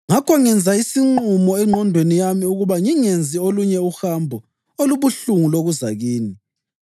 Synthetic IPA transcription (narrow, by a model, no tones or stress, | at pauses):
ŋakʰɔŋɛnd͡zʱaisiŋ͡ǃumɔɛŋ͡ǃʱɔndʱwenijamiuɣuβaŋiŋend͡zʱioluɲɛuxambʱɔ | oluβuɬuŋuloɣuza̰ɣiːni